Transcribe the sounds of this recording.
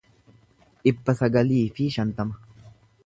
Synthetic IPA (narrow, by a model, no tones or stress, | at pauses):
ʔɪpːɐsɐɡɐliːfɪʃɐnt̪ɐmɐ